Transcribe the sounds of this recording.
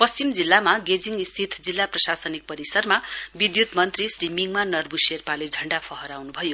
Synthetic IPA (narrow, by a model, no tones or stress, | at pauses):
pʌst͡simd͡zilːamaɡed͡ziŋist̪ʰit̪ʰd͡zilːaprʌsasʌnik̚pʌɾisʌrmabid̪jut̪mʌnt̪risrimiŋmanʌrbuserpaled͡zʱʌɳɖapʰʌɦʌɾawnubʱʌjo